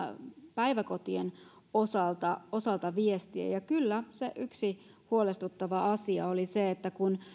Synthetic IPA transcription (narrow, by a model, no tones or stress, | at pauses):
pæiʋæko̞t̪ienosɑlt̪ɑosɑlt̪ɑʋiest̪iḛjɑkylːæseʔyksi | huolest̪ut̪ːɑʋɑɑsiɑ̰oliseet̪ːækun